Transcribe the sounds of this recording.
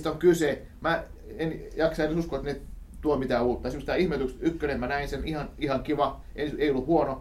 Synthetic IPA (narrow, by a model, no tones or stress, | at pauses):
t̪oŋkyse | mæ | enjɑksɑienːsuskoet̪ne | t̪uomit̪æːuːt̪ːɑːˑɑsimsit̪æihmet̪ykst̪ykːønemmænæinsenihɑnihɑŋkiʋɑ | eneiolːuhuono